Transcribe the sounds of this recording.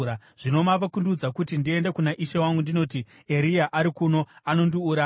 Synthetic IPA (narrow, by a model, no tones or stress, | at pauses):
a | ʐ̥ino̞maʋakundud͡zakutindie̞nde̞kunaʔiʃewaŋɡundino̞ːti | eɾijaʔaɾikuno̞ano̞ndiuɾa